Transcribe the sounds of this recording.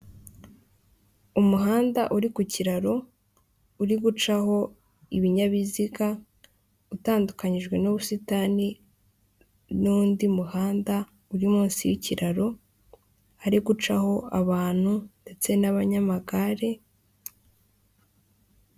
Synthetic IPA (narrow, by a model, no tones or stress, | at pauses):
umuɦaːndaʔuɾikuciɾaɾo̞ | uɾiɡut͡ʃaho̞ | iβiɲaβiziɡa | utaːndukaɲiʒɡwe̞nuβusitani | nuːndimuhaːnda | uɾimuːnsijiciɾaɾo̞ | aɾiɡut͡ʃaho̞aβaːn̥hunde̞t͡se̞naβaɲamaɡaɾe̞